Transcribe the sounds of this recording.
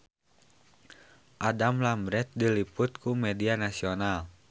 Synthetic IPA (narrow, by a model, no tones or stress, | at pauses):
ʔadamlambɾɛt̪̚dilipʊt̪̚kumɛdianasional